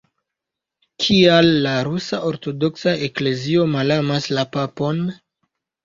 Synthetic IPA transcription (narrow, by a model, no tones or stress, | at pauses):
kʰialːaɾusaʔo̞ɾto̞do̞ksae̞kle̞zio̞malamaslapapo̞n